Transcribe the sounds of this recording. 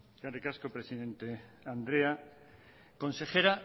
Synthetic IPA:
kaɾekaskopɾesiðent̪eand̪ɾea | kõnsexeɾa

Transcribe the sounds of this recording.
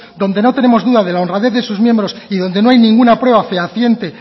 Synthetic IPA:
d̪o̞nd̪e̞no̞t̪e̞ne̞mo̞zðuðaðe̞laonraðe̞θðe̞suzmje̞mbɾo̞siðo̞nd̪e̞no̞ajnĩŋɡunapɾwe̞βafeaθje̞nt̪e

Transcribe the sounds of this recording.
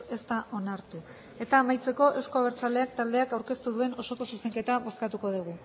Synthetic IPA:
e̞st̪aʔo̞naɾt̪u | e̞t̪aːmajt͡se̞ko̞ʔe̞wsko̞aβeɾt͡salde̞ak̚t̪ald̪e̞akawɾke̞st̪uðue̞no̞so̞ko̞suse̞ŋke̞t̪aβo̞skat̪uko̞ðuɣ̞u

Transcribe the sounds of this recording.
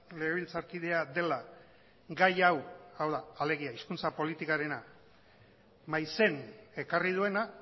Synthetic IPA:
le̞ɣeβilt͡saɾkið̞e̞ad̪e̞la | ɡajawawðaːle̞ɣ̞iaiskunt͡sapo̞lit̪ikaɾe̞na | majse̞ne̞karið̞ue̞na

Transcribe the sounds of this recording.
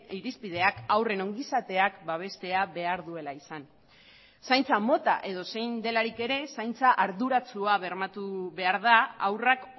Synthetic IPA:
iɾispið̞e̞akawre̞no̞ŋɡisat̪e̞akbaβ̞e̞st̪e̞aβe̞aɾðue̞laisan | sajnt͡samo̞t̪a̰ʔe̞ð̞o̞se̞jnd̪e̞laɾike̞ɾe̞sajnt͡saʔaɾðuɾat͡suaβe̞ɾmat̪uβe̞aɾð̞aawrak

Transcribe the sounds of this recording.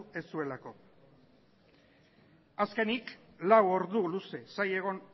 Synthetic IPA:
e̞sue̞lako̞ | aske̞niklawo̞ɾðuluse̞saje̞ɣ̞o̞n

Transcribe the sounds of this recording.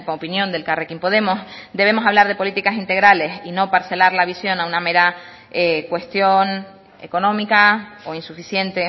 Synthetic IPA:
oopinjõ̞nd̪e̞lkarekimpo̞ðe̞mosd̪e̞β̞e̞mo̞saβ̞laɾðe̞po̞lit̪ikasint̪e̞ɣɾale̞sino̞paɾse̞laɾlaβisjo̞nauname̞ɾa | ekwe̞st̪jo̞n | e̞̰konõ̞mikaoinsufisje̞nt̪e̞

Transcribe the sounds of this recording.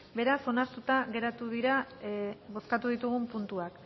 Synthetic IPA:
be̞ɾaso̞naɾt̪ut̪aɣe̞ɾat̪uðiɾa | βo̞skat̪uðit̪uɣumpunt̪uak

